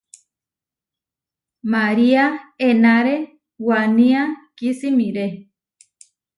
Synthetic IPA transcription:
maɾiaenaɾe | wanĩakisimĩɾe

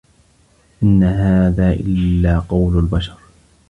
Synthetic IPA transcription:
ʔɪnːaɦaːðaːʔɪ̰lːaːqɑwlalbaʃɑɾˤ

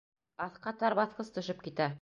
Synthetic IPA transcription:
ɑθqɑt̪ɑɾβɑθqɤst̪ɵ̆ʃɤp̚kit̪æ

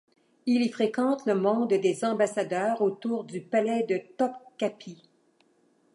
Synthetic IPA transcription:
ilifʁekɑ̃t̪ləmɔ̃d̪d̪ezɑ̃basad̪œːʁot̪uːʁd̪ypalɛd̪ət̪ɔpkʲapʰi

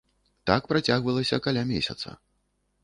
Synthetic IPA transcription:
t̪akpɾat͡sʲaɣvɐlˠɐsʲɐkalʲamʲesʲɐt̪sɐ̰

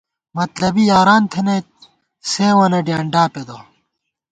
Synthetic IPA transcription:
mɐt̪lɐbijaːɾaːnt̪ʰene | seːwɐnɐɖijaːɳɖaːped̪o

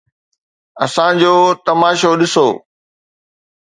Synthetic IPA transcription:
ɐsãd͡ʑoːt̪ɐmaːʃoɗɪsoː

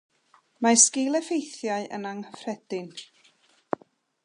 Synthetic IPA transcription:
maskɪlˠɛfejθjaɨʔə̰naŋfrɛd̥ɪn

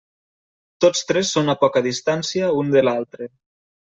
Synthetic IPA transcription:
t̪ot͡st̪ɾɛsːonapɔkaðist̪ansiaund̪elalˠt̪ɾe

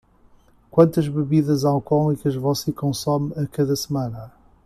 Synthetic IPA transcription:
kwɐ̃nt̪ɐʒβɨβiðɐzawkɔlˠikɐʒvɔsekõsɔmɐkɐðɐsmãnɐ

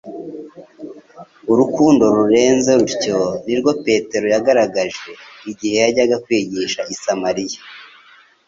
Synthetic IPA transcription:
uɾukuːndo̞ɾuɾe̞ːnze̞ɾuɾco̞niɾɡwo̞pe̞te̞ɾo̞jaɡaɾaɡaʒe̞iɟihe̞jaɟaɡakwiːɟiʃaʔisamaɾija

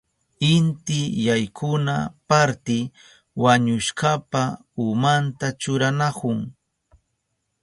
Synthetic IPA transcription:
ɪnt̪ɪjajkʰʊnapaɾt̪ɪ | waɲʊʃkapa | ʊmant̪at͡ʃʊɾanakʊŋ

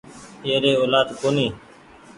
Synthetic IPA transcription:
eːɾeːoːlaːd̪koːniː

